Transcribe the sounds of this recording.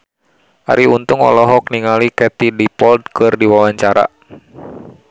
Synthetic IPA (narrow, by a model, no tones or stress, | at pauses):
ʔa̰ɾiunt̪uŋɔ̰lɔɦɔk̚niŋalikɛt̪idipɔld̚kɨrdiwawaɲt͡ʃaɾa̰